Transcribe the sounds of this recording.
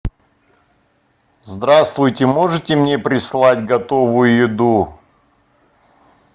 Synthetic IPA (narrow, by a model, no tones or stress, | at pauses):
zd̪ɾast̪vʊjtʲɪmo̞ʐɨtʲɪmnʲepɾʲɪslˠatʲɡɐt̪o̞vʊjʊjɪd̪u